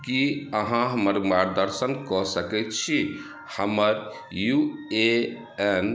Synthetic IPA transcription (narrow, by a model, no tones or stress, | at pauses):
kiəɦãɦəməɾmaɾd̪əɾsənkɔsəkɛt̪t͡ʃʰi | həməɾ | jue | ɛn